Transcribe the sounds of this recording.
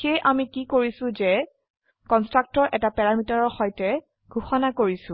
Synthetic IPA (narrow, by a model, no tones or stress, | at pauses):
xejʔamikikoɹisʊ̃zɛ | kɔnstɹak̚tɔɹʔɛtapɛɹamitaɹɔɹxɔjtɛ | ɡ̥ʱuxɔnakoɹisʊ̃